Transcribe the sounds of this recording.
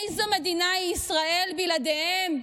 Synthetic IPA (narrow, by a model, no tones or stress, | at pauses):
jzomed̪inaisʁae̞lbilad̪ehem